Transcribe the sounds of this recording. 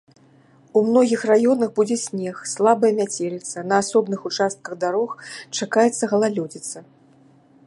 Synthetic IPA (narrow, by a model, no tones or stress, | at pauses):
umnɔɣʲixrajɔnɐxbud͡zʲɛsʲnʲɛxslˠabɐjɐmʲat͡sʲelʲit̪sɐnɐːsɔbnɨxut͡ʂast̪̚kɐɣd̪aɾɔxt͡ʂakajɛt̪sːɐɣɐlˠalʲɔd͡zʲit̪sɐ